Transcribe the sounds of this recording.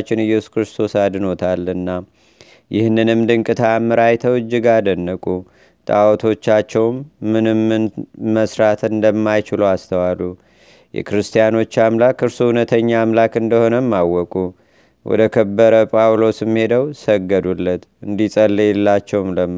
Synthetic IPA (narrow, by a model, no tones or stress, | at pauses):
t͡ʃːɪnɨjːɛsu̥kɾɨst̪ʰo̞sad̪ɨno̞t̪ʰalːɨnːa | jɪhnːɨnɨmd̪ɨŋkʼɨt̪ʰamːəɾajt̪ʰəwɨd͡ʒːɪɡad̪ənːəkʼu | t̪ʼa̰wɔt̪ʰo̞t͡ʃːat͡ʃːɛwmːɨnɨmːɨnməsɾat̪ʰɨnd̪əmːajt͡ʃɪlowast̪ʰəwalːu | jɛ̰kɾɨst̪ʰijano̞t͡ʃːamlakɨɾsuhunət̪ʰəɲːaːmlakɨnd̪əho̞nəmːawːɔkʼu | wɔ̰d̪əkʰəbːəɾəpʼawlo̞sɨmːhe̞d̪əwsəɡːəd̪ulːət̪ɨnd̪isʼəlːelːat͡ʃːɛwmləm